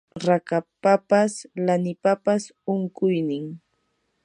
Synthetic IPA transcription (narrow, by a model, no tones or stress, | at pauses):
ɾakapapaslanɪpapas | ʊŋkʊjnɪŋ